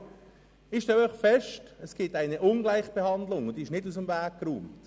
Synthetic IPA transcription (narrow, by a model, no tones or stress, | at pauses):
ɪʃtɛlœʏχfɛʃtəsɡ̥ɪtaɪnəʔʊnɡlaɪχb̥ehɑnd̪lʊŋʊnd̥̪iɪʃnɪdus̬əmvæːk̚kɾuːmt